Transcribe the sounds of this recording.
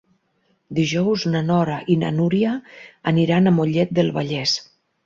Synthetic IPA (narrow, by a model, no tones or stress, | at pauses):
d̪iʒɔwznanɔɾaʔina̰nuɾiaːniɾanamoʎɛt̪̚d̪elˠβaʎɛs